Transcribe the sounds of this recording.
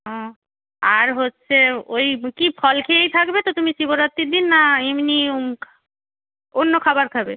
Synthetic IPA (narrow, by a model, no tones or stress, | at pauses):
ɔ̃ | aɾɦot̪ːɕʰeojkipʰɔlkʰeejt̪ʰakbet̪ot̪umisiboɾat̪ːiɾd̪inːaemni | onːokʰabaɾkʰabe